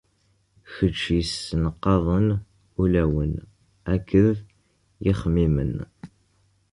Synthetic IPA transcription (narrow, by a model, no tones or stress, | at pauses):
çət͡ʃːjəsːnəqːɑðˤən | ulæwən | ækːəð | jɪχmimə̰n